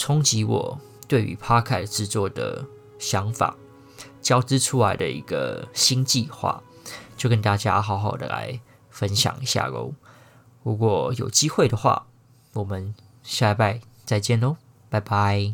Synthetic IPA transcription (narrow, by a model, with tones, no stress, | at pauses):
t͡sʰʊ˥ŋt͡ɕi˧˥wɔ̰˨˩ | t̪we˥˩ɪy̰˧˥pʰa˥kʰa˥˩ɪʈ͡ʂɻ̩˥˧t͡swɔ˥˨˩d̪ə̰˨˩ | ɕjɑ˧˦ŋfa̰˨˩˦ | t͡ɕjɑ˥ʊʈ͡ʂɻ̩˦ʈ͡ʂʰu˦la˧˥ɪd̪ə̰˧ʔḭ˧˥ɡə̰˧ɕi˥ŋt͡ɕi˥˧xwa̰˥˩˨t͡ɕjo˥˧˩kə˥nt̪a˥˩t͡ɕja̰˥ɦɑ˧˥ʊxɑ˨˩ʊd̪ə̰˨la̰˧˥ɪ | fə˦nɕjɑ̰˨˩ŋi˧˦ɕja̰˥˧ɡo̰˧˥˦ | pu˧˥kwɔ˥˩jo̰˨˩ʊt͡ɕi˥xwe˥˩ɪd̪ə˩˨xwa̰˥˨ | wɔ˨˩mə˨˦n | ɕja˥˧˥pa˥˧ɪ | t͡sa˥˧ɪt͡ɕjɛ˥˨nə˨˦ | pa˥˧˩ɪba˧˦ɪ